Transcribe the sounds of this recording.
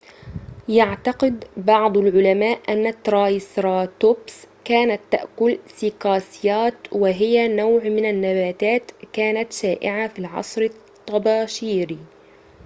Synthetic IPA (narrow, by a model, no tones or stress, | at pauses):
jaʕt̪ɑqɪd̪bɑʕd̪ˤalʕʊlamaːʔʔanːat̪ːɾˤɑːjsɾˤɑːt̪obskaːnat̪ːa̰ʔkʊlsɪqɑːsjaːt̪wɪɦɪjanawʕmɪnanːabaːt̪aːt̪kaːnat̪ʃaːʔɪ̰ʕafiːlʕɑ̰sˤɾɪt̪ˤːɑbɑːʃiːɾi